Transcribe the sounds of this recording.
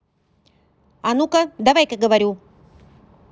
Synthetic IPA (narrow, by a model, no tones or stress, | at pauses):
ɐnukɐd̪ɐvajkəɡəvɐɾʲu